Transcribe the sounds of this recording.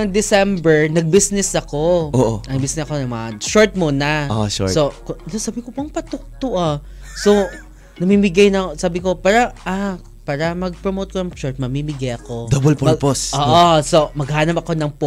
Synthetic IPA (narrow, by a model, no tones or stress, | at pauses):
ɐŋd̪ɪsɛmbɛɹnɐɡ̚bisnɛsɐkooːʔoɐŋbisnɛsɐkonɐmɐʃoɹt̪̚monaoʔʃsokʊnosaːbɪkopɐŋpɐt̪ʊk̚t̪ʊʔa | so | nɐmimɪɡajnɐsaːbɪko̞paːɾɐʔa | paːɾɐmɐɡ̚pɾɹomoːt̪̚koɐŋʃoɹt̪̚mɐmiːmɪɡajɐko̞d̪obɛlpmposoːʔosomɐɡhaːnɐmɐko̞nɐŋpo